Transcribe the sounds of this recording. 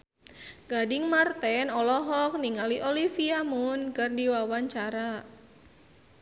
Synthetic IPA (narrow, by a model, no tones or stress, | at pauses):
ɡ̥adɪŋmart̪ɛnɔlɔɦɔk̚niŋaliʔolifiamʊnkɨrdiwawaɲt͡ʃaɾa